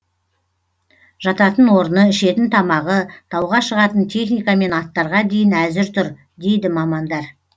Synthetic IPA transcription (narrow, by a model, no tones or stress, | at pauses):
ʒ̥ɑt̪ɑt̪ənwo̞ɾənəɪʃe̞t̪ɪnt̪ʰɑmɑʁət̪ʰɑwʁɑʃəʁɑt̪ənt̪ʲʰe̞χnijkɑme̞nɑt̪ːɑɾʁɑd̪e̞jɪnæzɪɾt̪ʰʊɾ | d̪e̞jd̪ɪmɑmɑnd̪ɑɾ